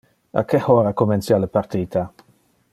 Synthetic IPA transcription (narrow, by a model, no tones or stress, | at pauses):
a̰kehɔɾakomɛnsjaləpaɾt̪iːt̪ʰa